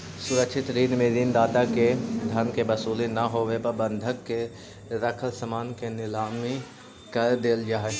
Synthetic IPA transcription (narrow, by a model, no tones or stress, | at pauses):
sʊɾəkʃʰɪt̪ɾiːnmeːd̪iːnd̪aːt̪aked̪ʱɐnkebɐsuːlenaɦoːʋepəɾbə̃nd̪ʱəkːe | ɾəkʰəlsəmaːnkenɪzaːmːẽ | kɐɾd̪eːld͡ʒaːɦe